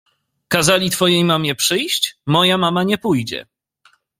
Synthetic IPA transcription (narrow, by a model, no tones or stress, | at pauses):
kazalʲit̪fɔjejmamʲjɛpʂɘjɕt͡ɕmɔjamamaɲɛpujd͡ʑɛ̰